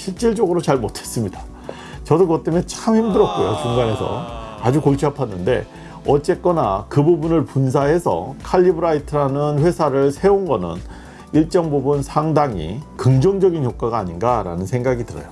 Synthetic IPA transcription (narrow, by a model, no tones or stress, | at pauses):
ɕʰiɭt͡ɕ͈iɭt͡ɕ͈ʌɡɯɾot͡ɕaɭmotʰe̞̥s͈ɯmɲida | t͡ɕʌdokɯɡʌt͈emjʌnt͡ɕʰamçimdɯɾʌk̚k͈ojo̰t͡ɕuŋɡane̞sʰʌ̰ad͡ʑukoɭt͡ɕʰapʰanːɯnde̞̰ | ʌt͡ɕ͈e̞k͈ʌnakɯbubunɯɭpuns̬ʰaɦe̞sʰʌ̰kʰaʎːibɯɾaitʰɯɾanɯnɸwe̞sʰaɾɯɭsʰe̞onɡʌnɯ̰n | iɭt͡ɕ͈ʌŋbobunsʰaŋdaŋḭkɯŋd͡ʑʌŋd͡ʑʌɡinjok͈aɡaːɲinɡaɾa̰nɯnsʰe̞ŋɡaɡidɯɾʌ̰jo